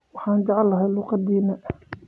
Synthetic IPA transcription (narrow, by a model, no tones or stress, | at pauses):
wɑħɑːnd͡ʒɑʕlːɐɦɛjluːqɑd̪iːnɐʔ